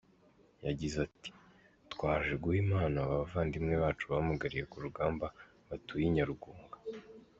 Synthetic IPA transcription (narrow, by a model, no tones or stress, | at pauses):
jaɟizati̥ | twaːʒeɡuhimaːnaːβaβvaːndimŋe̞βaːt͡ʃuβahamaɡaɾije̞kuɾuɡaːmba | βatujiɲaɾuɡuːŋɡḁ